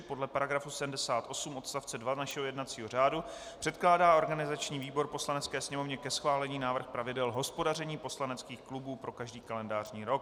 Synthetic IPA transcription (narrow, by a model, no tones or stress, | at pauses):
po̞dlɛpaɾaɡɾafusɛdm̩dɛsaːt̪ʔo̞sumʔo̞t̪st̪aft͡sɛdvanaʃɛɦojɛdnat͡siːɦo̞r̝aːdu | pr̥ɛt̪klaːdaːʔo̞ɾɡanɪzat͡ʃɲiːviːbo̞ɾpo̞slanɛt͡skɛːsɲɛmo̞vɲɛkɛsxvaːlɛɲiːnaːvr̩xpɾavɪdɛlɦo̞spo̞dar̝ɛɲiːpo̞slanɛt͡skiːxklubuːpɾo̞kaʒdiːkalɛndaːr̝ɲiːɾo̞k̚